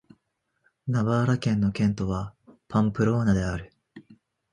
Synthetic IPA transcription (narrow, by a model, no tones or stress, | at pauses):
naβaːɾakẽ̞nːo̞kẽ̞nt̪o̞βapʰãmpɯ̟ɾo̞ːnad̪e̞aɾɯ̟